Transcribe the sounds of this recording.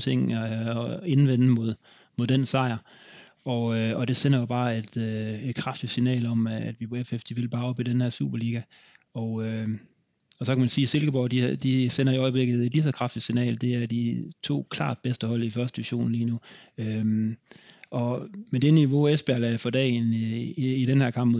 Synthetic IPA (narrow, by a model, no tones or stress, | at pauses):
t͡sʰeŋ̰æe̝nʋen̰̩mo̝ð̞̰ˠ | mo̝ð̞ˠd̥ensɑ̈ɪ̰ɐ | ɒ̽ɒ̽d̥e̝senɐjob̥ɑ̈ːe̝d̥øe̝d̥kʰʁɑ̈fd̥i̥sinɛ̰ːlɒ̽mæd̥ʋipʰɒefefd̥iʋe̝lb̥ɑ̈ːɒ̽b̥id̥enheɐ̰sṵːb̥ɐliːɡ̥æ | ɒø | ɒ̽sɒ̽kʰæmænsiːse̝lɡ̥əb̥ɒ̰ʊd̥id̥isen̰ɐiɒ̽ɪəb̥le̝ɡ̥ð̩ˠe̝d̥lis̬ɒ̽kʰʁɑ̈fd̥i̥sinɛ̰ːld̥e̝æɐd̥it͡sʰo̝̰ːkʰlɑ̰̈ːd̥̚b̥esd̥əhɒ̽l̰ifɶɐd̥əiʋiɐɕo̝̰ːn̩liːnuøm | ʔɒ̽med̥e̝niʋo̝esb̥eæɐlæfɒ̽d̥ɛ̰ːnː | ɾ̥enhæɐkʰɑ̈mb̥mo